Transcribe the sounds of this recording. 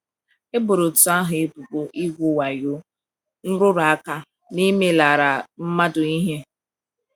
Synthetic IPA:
e˦bʊ˨ɾʊ˨tʊ˨a˦ɦʊ˨e˦pu˨ko˨ʔi˦ɡʷu˦wa˨jo˦ | n̩˦ɾʊ˦ɾa˦ka˦ | ni˦me˦la˨ɾa˨m̩˦ma˦dʊ˨i˦ɦe˦

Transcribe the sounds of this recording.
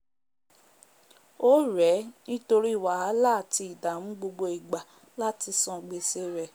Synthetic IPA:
o˦ɾɛ˨˦nĩ˦to˧ɾi˦˨wa˨a˨˦laː˦˨ti˧i˨da˨mũ˨˦ɡ͡bo˧ɡ͡bo˧i˨ɡ͡ba˨ | la˦ti˧sɔ̃˧˨ɡ͡be˧se˦ɾɛ˨

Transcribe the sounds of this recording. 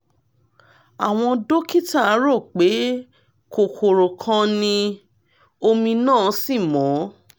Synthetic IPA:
a˨w̃ɔ̃˧do˦ki˦ta˦˨˦ɾo˦˨k͡pe˨˦ | kʰo˨kʰo˨ɾo˨kʰã˧nĩ˧ | o˧mĩ˧nãː˦˨˦si˦˨mɔ̃˨˦

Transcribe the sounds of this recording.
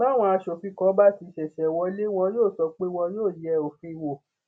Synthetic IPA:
ba˦˨w̃ɔ̃˧a˧ʃo˨fi˧˦kɔ̃˨˦ba˦ti˧˦ʃɛ˨ʃɛ˨wɔ˧˦le˦w̃ɔ̃˧joː˦˨sɔ˨˧k͡pe˦w̃ɔ̃˧joː˦˨jɛ˧˨o˨fĩ˧wo˨

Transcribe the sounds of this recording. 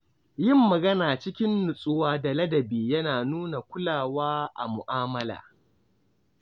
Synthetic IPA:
jɪ˦˨mːɐ˨ɡɐ˦naː˨t͡ʃɪ˦kʲɪ˦nːʊ˨sʼʊ˦waː˦da˨lɐ˦dɐ˨biː˨jɐ˦naː˨nuː˦na˨kʷʊ˦laː˨waː˦ʔa̰˨mʊ˨ʔaː˦mɐ˦la̰ː˨

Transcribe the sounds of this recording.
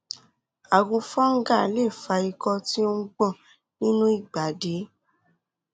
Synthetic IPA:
a˨ɡũ˧fɔ̃˦ŋ̩˦ɡa˦˨le˦˨fa˧i˧kɔ˧ti˦o˦ŋ̩˦ɡ͡bɔ̃˦˨ | nĩ˦nũ˦i˦˨ɡ͡ba˨de˨˦

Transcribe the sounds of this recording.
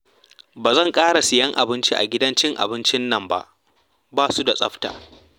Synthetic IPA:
baː˨zɐ˦˨ŋkʼaː˦ɽa˨sɪ˨jɐ˦ŋʔa̰˨bɪ˦nt͡ʃi˦ʔa̰˨ɡʲɪ˦dɐ˦nt͡ʃɪ˦ŋʔa̰˨bɪ˦nt͡ʃɪ˦nːɐ˨mba̰˦ʔ | baː˦su˦da˨sʼɐ˦ɸta̰ː˨

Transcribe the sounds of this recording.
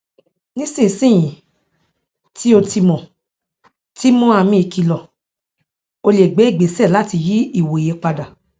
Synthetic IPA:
nĩ˦sĩ˦˨sĩ˦˨j̃ĩ˨ | tʰi˦o˧ti˧mɔ̃˨ | ti˦mɔ̃˦a˧mĩ˧˦i˨ki˧lɔ˨ | o˧le˨ɡ͡be˨˦i˦˨ɡ͡be˨˦sɛ˦˨la˦ti˧ji˦i˦˨wo˨i˨je˨˦k͡pa˧da˨

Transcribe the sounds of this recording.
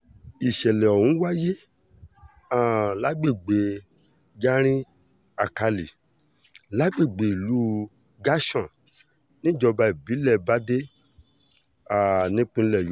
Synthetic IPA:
i˨ʃɛ˨lɛ˨o˨hũ˨˦wa˦je˦ | ã˦˨la˨˦ɡ͡be˦˨ɡ͡be˨ | ɡa˦ɾ̃ĩ˦ | a˨ka˧li˨ | la˨˦ɡ͡be˦˨ɡ͡be˨i˨lu˨˦ | ɡa˦ʃɔ̃˦˨ | nĩ˦d͡ʒɔ˧ba˧i˨bi˨˦lɛ˦˧ba˦de˦ | a˦˨nĩ˦k͡pĩ˧˦lɛ˦˨j

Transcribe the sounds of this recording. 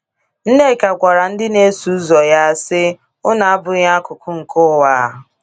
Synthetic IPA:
n̩˦ne˦˨ka˨kʷa˨ɾa˨n̩˦dɪ˦ne˦su˨˦zɔ˨ja˦sɪ˦ | ʊ˦na˨a˦bʊ˨ja˦kʊ˨kʊ˦ŋ̩˨kʊ˦wa˦˨

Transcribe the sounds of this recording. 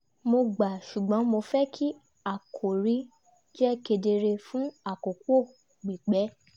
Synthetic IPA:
mo˧ɡ͡ba˨ʃu˨ɡ͡bɔ̃˨˦mo˧fɛ˦kʰi˦ | a˦˨kʰo˨ɾi˨˦ | d͡ʒɛ˦ke˧de˧ɾe˧fũ˦a˨ko˨kʷo˦˨ | ɡ͡bi˨k͡pɛ˨˦

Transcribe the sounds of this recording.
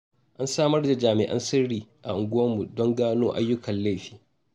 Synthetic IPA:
ʔa˦nsaː˦mɐ˦rda˨d͡ʒaː˨mɪ̰˨ʔɐ̰˦nsɪ˦ɽiː˦˨ʔa̰˨ʔʊ˨ŋɡʷʊ˦wɐ˦mːu˨dɔ˦ŋɡaː˦noː˦ʔa̰˦jːʊ˦kɐ˨nla˦jɸiː˦

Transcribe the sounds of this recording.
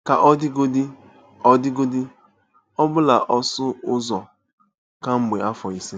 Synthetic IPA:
ka˨ʔɔ˦dɪ˦ɡo˦dɪ˦ | ɔ˦dɪ˦ɡo˦dɪ˦ | ɔ˦bʊ˦la˨ʔɔ˦sʊ˦ʊ˦zɔ˨ | ka˦ŋ͡m̩˦ɡ͡be˨a˦fɔ˨i˨si˦

